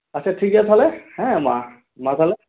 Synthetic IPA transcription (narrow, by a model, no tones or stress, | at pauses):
ət͡ʃʰaʈʰikjat̪ʰalehɛ̃mã̰ | mãt̪ʰale